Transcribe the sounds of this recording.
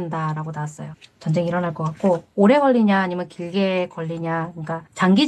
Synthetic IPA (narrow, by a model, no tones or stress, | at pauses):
ndaɾaɡotaas͈ʌjot͡ɕʌnd͡ʑe̞ŋiɾʌnɦaɭk͈ʌk͈at̚k͈ooɾe̞ɡʌʎːiɲaːɲimjʌnkiɭɡekʌʎːiɲakɯk͈at͡ɕaŋɡi